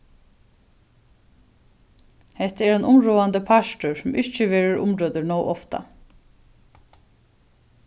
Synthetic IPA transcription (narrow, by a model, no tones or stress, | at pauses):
hɛht̪əæɾɛnʔʊmɾuːand̪əpʰaʂʈʊɹsʊmʔɪt͡ʃəʋeːɾəɾʊ̰mɾoːd̪əɹnɔːwʔɔft̪a̰